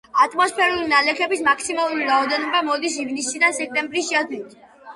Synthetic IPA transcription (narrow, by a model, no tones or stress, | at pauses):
at̪ʼmɔspʰɛɾulinalɛkʰɛbismak̚ʰtsimalˠuɾiɾaɔd̪ɛnɔbamɔd̪isivnisid̪ansɛk̚t̪ʼɛmbɾisʃiat̪ʰwiit̪ʰ